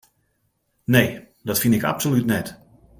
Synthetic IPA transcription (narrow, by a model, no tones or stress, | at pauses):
nej | dɔtfinɪka̰psolytnɛt